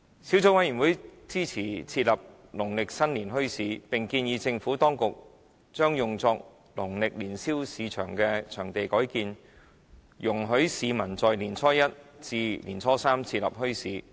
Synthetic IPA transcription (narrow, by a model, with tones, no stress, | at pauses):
si˨˥wt͡sʊ˨˥wɐ˥jyː˨˩nwu˨˥jt͡siː˥t͡sʰiː˨˩t͡sʰiː˧t̚lɐ˨p̚ | lʊ˨˩ŋlɪ˨k̚sɐ˥nliː˨˩nɦɵ˥ɥsiː˨˥pɪ˨ŋkiː˧njiː˨˧˥t͡sɪ˧ŋfuː˨˥t̪ɔː˥ŋkʊ˨k̚ | t͡ʃœː˥ŋjʊ˨ŋt͡sɔː˧k̚ | lʊ˨˩ŋlɪ˨k̚liː˨˩nsiː˥wsiː˨˧t͡ʃʰœ̰ː˨˩ŋkɛː˧t͡ʃʰœː˨˩ŋt̪e˨jkɔː˨˥jkiː˧n | jʊ˨˩ŋɦɵ˨˥ɥsiː˨˧mɐ˨˩nt͡sɔː˨jliː˨˩nt͡sʰɔː˥jɐ˥t̚t͡siː˧liː˨˩nt͡sʰɔː˥saː˥mt͡sʰiː˧t̚lɐ̰˨p̚hɵ˥ɥsiː˨˥